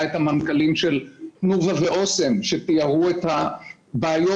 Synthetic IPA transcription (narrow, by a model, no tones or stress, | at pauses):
et̪hamankalimʃelnuvaveʔo̞se̞mʃet̪ijaʁuet̪ha | baːjo